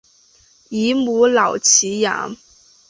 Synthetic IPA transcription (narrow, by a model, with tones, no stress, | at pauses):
i˧˥mu˧˥lɑ˨˩ʊt͡ɕʰi˧˥ja̰˧˥˦